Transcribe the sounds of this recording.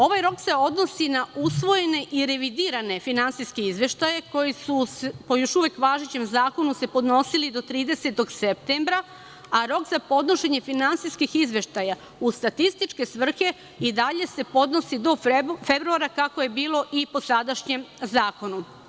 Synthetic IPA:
o̞ʋajɾo̞kse̞o̞d̪nosinausʋo̞je̞ne̞ʔiɾe̞ʋid̪iːɾane̞finant̪siskeizʋe̞ʃt̪ajeko̞jisusepo̞jo̞ʃuʋekʋaːʒet͡ɕe̞mzaːko̞nuse̞po̞d̪no̞silid̪o̞t̪ɾiːd̪e̞se̞t̪o̞ɡsep̚t̪embɾa | aɾo̞kzapo̞d̪no̞ʃe̞ɲe̞finant̪siskixizʋe̞ʃt̪aja | ust̪at̪ist̪it͡ʃke̞sʋr̩xe̞ | id̪aʎe̞se̞po̞d̪no̞sid̪o̞febɾuaɾakako̞je̞biːlo̞ʔipo̞sad̪aʃɲe̞mzaːko̞nu

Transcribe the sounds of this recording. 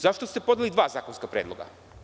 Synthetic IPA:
zaʃt̪ost̪epod̪alid̪ʋaːzaːkonskapɾeːd̪lˠoɡa̰

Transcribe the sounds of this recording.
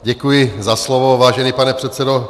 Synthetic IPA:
ɟɛkujɪzaslɔʋovaːʒɛniːpanɛpr̥ɛt̪sɛdo

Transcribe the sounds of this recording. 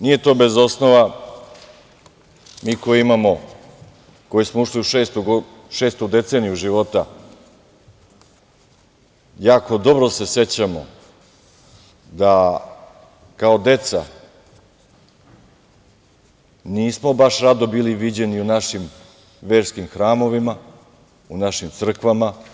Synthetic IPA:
nije̞t̪o̞ːbe̞zo̞snoʋa | miːkojeimamo̞ | ko̞jesmo̞uʂliuʃeːst̪uɡo | ʃeːst̪ud̪e̞t̪se̞ːnijuʒiʋo̞t̪a | jaːko̞d̪o̞bɾose̞se̞t͡ɕamo̰ | d̪a | kaod̪e̞t̪sa̰ | niːsmo̞baʃɾad̪obiːliʋid͡ʑe̞niunaʃim | ʋeːɾskimxɾaːmo̞ʋima | unaʃimt̪sr̩kʋama

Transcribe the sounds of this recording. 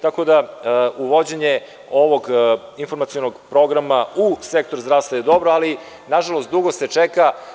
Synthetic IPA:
t̪ako̞d̪auʋo̞d͡ʑeɲe | o̞ʋoɡinfo̞ɾmat̪sionoɡpɾo̞ɡɾamausek̚t̪oɾuzd̪ɾaːʋst̪vajed̪o̞bɾoali | naʒalˠost̪d̪uɡoset͡ʃɛka

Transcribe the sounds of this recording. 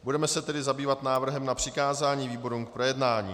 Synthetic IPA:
budɛmɛsɛt̪ɛdɪzabiːvat̪naːvr̩ɦɛmnapr̥ɪkaːzaːɲiːviːbo̞ɾumk̚pɾojɛdnaːɲḭː

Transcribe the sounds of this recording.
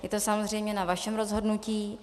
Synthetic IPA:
jɛt̪osamozrɛjmɲɛnavaʃɛmɾozɦodnuciː

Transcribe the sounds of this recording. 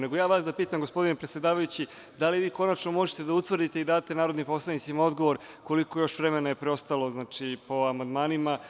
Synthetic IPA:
ne̞ɡo̞jaːʋaːsd̪apiːt̪amɡospo̞d̪inepɾet̪sje̞d̪aːʋajut͡ɕi | d̪aliʋiːko̞nat͡ʃno̞mo̞ʒet̪e̞d̪aut̪ʋr̩d̪it̪e̞id̪aːt̪e̞naːɾo̞d̪nimpo̞slˠanit̪simao̞d̪ɡo̞ʋo̞ɾko̞liko̞jo̞ʃʋɾemenajepɾeo̞st̪alo̞znaːt͡ʂipo̞amand̪maːnima

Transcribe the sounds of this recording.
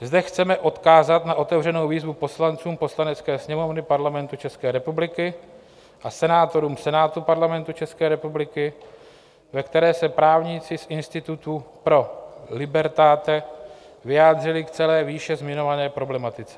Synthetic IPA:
zdɛxt͡sɛmɛʔo̞t̪kaːzat̪naʔo̞t̪ɛvr̝ɛno̞wviːzvupo̞slant͡suːmpo̞slanɛt͡skɛːsɲɛmo̞vnɪpaɾlamɛnt̪ut͡ʃɛskɛːɾɛpublɪkɪ | ʔasɛnaːt̪o̞ɾuːmsɛnaːt̪upaɾlamɛnt̪ut͡ʃɛskɛːɾɛpublɪkɪ | vɛkt̪ɛɾɛːsɛpɾaːvɲit͡sɪsʔɪnst̪ɪt̪ut̪upɾo̞lɪbɛɾt̪aːt̪ɛ | vɪjaːd̪r̝ɪlɪkt͡sɛlɛːviːʃɛzmɪɲo̞vanɛːpɾo̞blɛmat̪ɪt͡sɛ

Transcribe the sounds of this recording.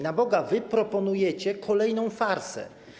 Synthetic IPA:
nabɔɡavɘpɾɔpɔnujɛt͡ɕɛkʰɔlɛjnɔ̃w̃faɾsɛ̰

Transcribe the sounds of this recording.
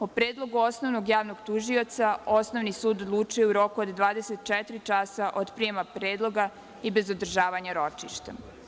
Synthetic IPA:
opɾeːd̪lˠo̞ɡuo̞sno̞ʋnoɡjaːʋnoɡt̪uʒio̞t̪sao̞sno̞ʋnisuːd̪od̪lˠuːt͡ʃujeuɾo̞kuod̪d̪ʋaːd̪eset̪t͡ʃɛt̪ɾit͡ʃasaʔod̪pɾijemapɾe̞ːd̪lˠo̞ɡa | ibe̞zod̪r̩ʒaːʋaɲaɾo̞t͡ʃiʃt̪a

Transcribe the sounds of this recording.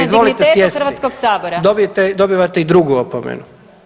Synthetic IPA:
izʋo̞lit̪esjesʋaiskoɡsaːboɾad̪obiet̪ed̪o̞biʋat̪eid̪ɾuɡuopomḛnu

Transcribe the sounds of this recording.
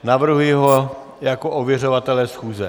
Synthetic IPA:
navr̩ɦujɪɦo | jakoʔovjɛrovat̪ɛlɛsxuːzɛ

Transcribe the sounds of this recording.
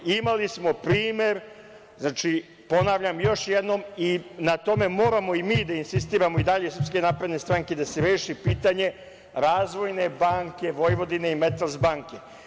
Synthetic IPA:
imalismo̞pɾiːmjeɾ | znaːt͡ʃi | po̞naʋʎamjo̞ʃjed̪no̞minat̪o̞me̞mo̞ːɾamo̞imiːd̪ainsist̪iːɾamo̞id̪aʎe̞isr̩pske̞naːpɾe̞d̪nest̪ɾaŋke̞d̪aseɾeːʃipiːt̪aɲe̞ | ɾaːzʋo̞jne̞baːŋkʲe̞ʋo̞jʋo̞d̪ine̞ime̞t̪alzbaːŋke̞

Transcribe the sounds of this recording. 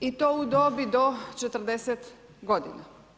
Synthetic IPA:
it̪oud̪obid̪ot͡ʃɛt̪r̩d̪ɛsɛt̪ | ɡod̪ḭna

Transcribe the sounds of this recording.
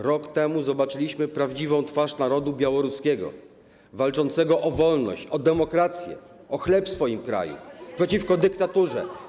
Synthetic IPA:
ɾɔkt̪ɛmuzɔbat͡ʂɘlʲiɕmɘpɾavd͡ʑivɔ̃w̃t̪faʂnaɾɔd̪ubʲjawɔɾuskʲɛɡɔ̰ | valt͡ʂɔnt̪sɛɡɔʔɔvɔlnɔ̰ɕt͡ɕɔd̪ɛmɔkɾat̪sʲjɛ̰ | ɔxlɛpsfɔjimkɾa̰jṵpʂɛt͡ɕifkɔd̪ɘkt̪at̪uʐɛ̰

